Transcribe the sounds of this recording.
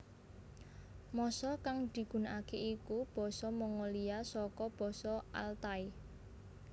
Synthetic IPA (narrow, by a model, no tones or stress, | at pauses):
mɔsɔkaŋd̪̥i̤ɡ̥ṳnakeikub̥ɔ̤sɔmɔŋɔliasɔkɔb̥ɔ̤sɔa̰lt̪ai